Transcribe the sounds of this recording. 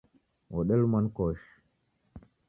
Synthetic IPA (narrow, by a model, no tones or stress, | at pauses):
wɔɗɛlumankɔʃ